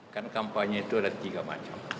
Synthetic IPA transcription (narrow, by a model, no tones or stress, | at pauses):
kankampaɲait̪uadat̪iɡama̰t͡ʃam